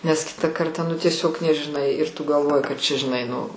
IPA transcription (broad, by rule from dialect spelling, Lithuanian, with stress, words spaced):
nʲɛs ˈkʲɪtɑː ˈkɐrtɑː nʊ tʲiɛˈsʲoːk nʲɛʒʲɪˈnɐɪ ɪr tʊ ɡɐlˠˈʋoːjɪ kɐt t͡ʃʲɛ ʒʲɪˈnɐɪ nʊ